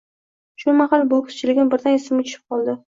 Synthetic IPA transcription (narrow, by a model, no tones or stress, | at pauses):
ʃʊmaχalˠbolˠkʲʰʊ̥st͡ʃʰɪlɪɡʲɪnbɪɾd̪anesɪmʊt͡ʃɪɪ̥p̚qʰɒlˠd̪ɪ